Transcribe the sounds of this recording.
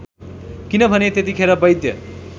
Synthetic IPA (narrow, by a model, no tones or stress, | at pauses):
kinʌbʱʌnet̪et̪̬ikʰeɾʌbʌjd̪jʌ̰